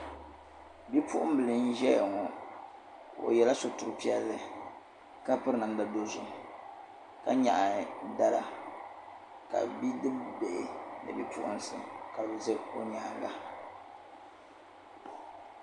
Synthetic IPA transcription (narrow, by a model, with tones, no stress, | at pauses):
bi˦pʰʊ˦ʔʊ˦m˦bɨ˨lɨ˨n̩˦ʒɛ˦ja˨ŋɔ˨ | o̰˨jɛ˨la˦so˨tʊ˨ɾɨ˨pi˦ɛ˦lːɨ˨ | ka˦pɨ˦ɾɨ˦na˨n˦da˨do˦zʊ˨m | ka˦ɲa̰˨ʔa˨da˦la˨ | ka̰˨bi˦dɨ˦be˨ʔɪ˨nɨ̰˨bi˦pṵ˦ʔʊ̰˦n˦sɨ̰˦˨ka˨bzɨ˦o˦ɲaː˨ŋɡa˦